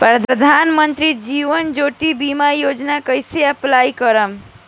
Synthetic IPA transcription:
pɾəd̪əd̪ʱanmənt̪ɾid͡ʒiʋənd͡ʒoʈibimajod͡ʒnakəjseəplajkəɾəm

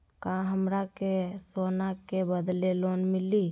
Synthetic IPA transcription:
kãɦəmɾakesonakebəd̪lelonmili

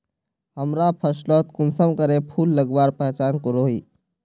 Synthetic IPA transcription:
ɦəmɾapʰəslɔt̪̚kʊnsəmkəɾepʰuːlːəɡʋaːɾpɛɦt͡ʃaːnkəɾoiː

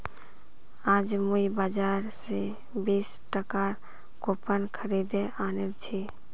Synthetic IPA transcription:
ad͡ʒmujbad͡ʒaɾse | bis | ʈəkaɾ | kopənkʰəɾid̪eanelt͡ʃʰi

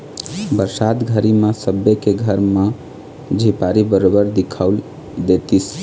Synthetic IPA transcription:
bəɾsat̪ɡʱəɾimãsəbjekeɡʱəɾma | d͡ʒʱipaɾibəɾobəɾd̪ikʰaʊl | d̪et̪is

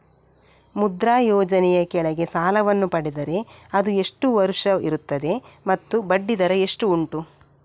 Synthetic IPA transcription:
mud̪ɾaːjɔːd͡ʒɐnɛjɐkɛɭɐɡe̞saːlɐʋɐnːupɐɽid̪ɐɾe̞ɐd̪ue̞ʂʈuʋɐɾuʂɐiɾut̪ːɐd̪e̞mɐt̪ːubɐɖːid̪ɐɾɐeʂʈuːɳʈu

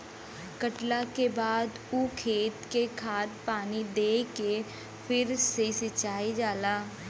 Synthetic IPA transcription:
kəʈlakebaːd̪ | ukʰeːt̪kekʰaːʈpaːnid̪eːke | pʰɪɾsesɪt͡ʃaːed͡ʒaːlaː

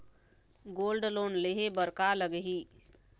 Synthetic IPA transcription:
ɡolɖloːnleɦebəɾkaləɡɦi

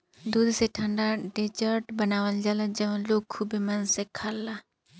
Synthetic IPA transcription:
d̪uːd̪seʈʰə̃ɳɖaɖed͡ʒəɾʈbənaːʋəld͡ʒaːlad͡ʒɐʋə̃loːɡ̚kʰubimɐnsekʰaːlːa

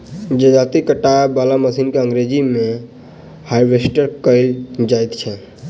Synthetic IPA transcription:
d͡ʒəd͡ʒat̪ikəʈaebalaməsinkeəŋɡɾed͡ʒime | hajʋesʈəɾkəɪld͡ʒajt̪t͡ʃʰɛ

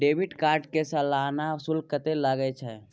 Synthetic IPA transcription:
ɖeːbɪʈkaːɾɖkesɐlaːnasʊlkət̪elaɡəet͡ʃʰɛ

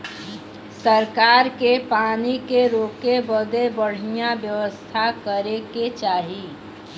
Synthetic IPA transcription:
səɾkaːɾkepaːnikeɾoːkebəd̪ebəɽ̤ijabjəʋəst̪ʰakəɾeket͡ʃaːɦi

